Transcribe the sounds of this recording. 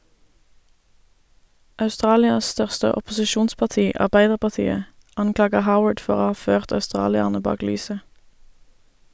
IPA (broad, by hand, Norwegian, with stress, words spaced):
ɑʉˈstʁɑːlɪɑs ˈstœʁstə ɔpʊsɪˈʃuːnspɑʁˌtiː ʔɑʁˈbæɪdəʁpɑʁˌtiːə ˈɑŋˌklɑːɡə ˈhaʊəɖ ˈfɔʁ ˈoː ˈhɑː ˈføːʁt œʉˈstʁɑːlɪəʁnə ˈbɑːk ˈlyːsə